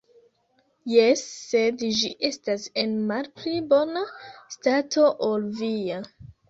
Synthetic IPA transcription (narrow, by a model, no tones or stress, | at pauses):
jesːe̞dd͡ʒiʔe̞stase̞nmalplibo̞nastato̞ʔolvia